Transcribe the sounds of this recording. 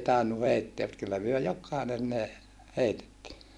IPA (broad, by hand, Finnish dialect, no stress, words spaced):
tɑinːu heitːeæ mut kylːæ myø jokˑɑˑinen ne heitetːiː